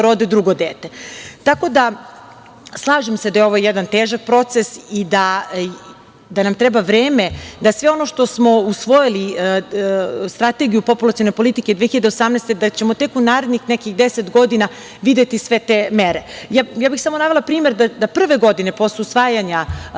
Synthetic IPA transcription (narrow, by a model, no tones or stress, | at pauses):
ɾod̪ed̪ɾuɡo̞d̪eːt̪et̪ako̞d̪a | slˠaːʒemsed̪ajeo̞ʋojjɛd̪ant̪eːʒak̚pɾo̞t̪sesid̪a | d̪anamt̪ɾɛbaʋɾeːmed̪asʋeo̞noʃt̪o̞smo̞usʋo̞jili | st̪ɾat̪e̞ɡijupo̞pulˠat̪sijo̞nepo̞lit̪iked̪ʋeçiʎad̪eosamnɛst̪ed̪at͡ɕe̞mot̪e̞kunaːɾe̞d̪nixnɛkixd̪eset̪ɡo̞d̪ina | ʋid̪e̞t̪isʋet̪emeɾejajaːbixsamonaːvʋelapɾiːmeɾd̪ad̪apr̩ʋe̞ɡo̞d̪ine̞po̞sljusʋaːjaɲa